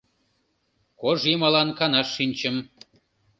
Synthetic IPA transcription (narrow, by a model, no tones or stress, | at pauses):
koʒjemɑlɑnkɑnɑʃːinʲt͡ɕəm